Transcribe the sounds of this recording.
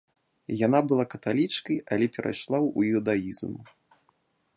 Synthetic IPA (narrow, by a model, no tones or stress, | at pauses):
janabɨlˠakɐt̪alʲit͡ʂkɐjalʲɛpʲɛɾʔa̰jʂlˠawṵud̪ajizm